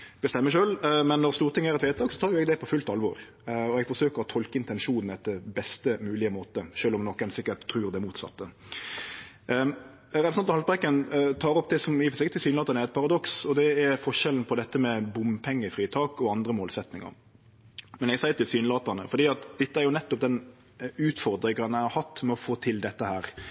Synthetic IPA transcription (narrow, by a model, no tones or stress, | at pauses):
b̥əst̪ɛmːəʂøːlmɛnːɔʁst̪uːʁt̪ɪŋːəæɾɛt̪ʋeːt̪ʰɑːksɔ̥t̪ʰɑːɾjʊɛɡd̪ɛpʰɔfʉlt̪ɑlʋɔɾ | ɔɛɡfɔʂøːkəʁɔt̪ʰɔlkəɪnt̪ɛnʂuːnn̩ɛt̪ːəbɛst̪əmʉːlɪəmoːt̪əʃøːlɔmnɔkːɛnsɪkːət̪ʰːɾʉːɾd̪ɛmuːt̪sɑ̰t̪ːə | ɾɛsɑnt̪ɔhɑl̚bʁɛkːənt̪ʰɑːɾɔp̚d̪ɛsɔmɪfsɪkət̪ɪsyːnlɑːt̪ɑɾnæɾɛt̪̚pʰɑʁɑd̪ɔksɔd̪ɛæfɔʂɛln̩pʰɔd̪ɛt̪ːəmɛbʊmpʰɛŋːəfʁiːt̪ʰɑːkɔɑnd̪ɾəmoːlsɛt̪nɪŋɑ̰ɾ | mɛnɛɡsæɪt̪ʰɪlsyːnlɑːt̪ənəfɔɾd̪iːɑt̪d̪ɛt̪ːəæɾjʊnɛt̪ːɔp̚d̪ɛn | ʉːt̪fɔɾd̪ɾɪŋɑnæɪhɑɾhɑt̪ːmɛɔfoːt̪ʰɪld̪ɛt̪ːəhæːɾ